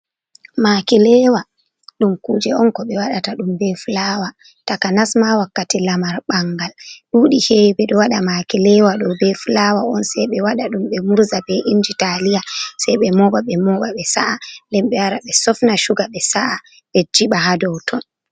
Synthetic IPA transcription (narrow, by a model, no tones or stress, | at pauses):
makilɛwa | ɗumkuːd͡ʒɛɔnkɔɓɛwaɗataɗumbɛfulawa | takanasmawakːatilamaɾɓaŋɡalɗuːɗihewibɛɗɔwaɗamakilɛwaɗɔbɛfulawaɔnsɛjɓɛwaɗaɗumɓɛmuɾzabɛʔind͡ʒitalijasɛjɓɛmɔɓaɓɛmɔɓaɓɛsaʔadɛmɓɛjaɾaɓɛsɔfnaʃuɡaɓɛsaʔa | ɓɛd͡ʒiɓahadɔtʰɔn